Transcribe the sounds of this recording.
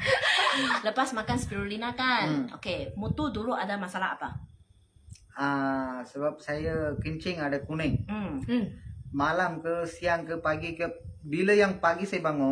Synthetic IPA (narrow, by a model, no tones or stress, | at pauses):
ləpasmakansə̥piɾulinakano̰kemut̪uduluʔadamasalaa̰pa | asəbap̚sajakəɲt͡ʃɪŋadakunəŋ̩ | malamkəsiaŋkəpaɡikəbiləjaŋpaɡisajəbaŋɔ